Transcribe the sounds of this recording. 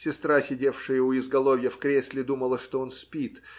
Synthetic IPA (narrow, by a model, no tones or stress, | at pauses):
sʲɪst̪ɾasʲɪdʲefʂɨjəʊɪzɡɐlˠovʲjəfkɾʲesʲlʲɪd̪uməlˠəʂt̪oonspʲit̪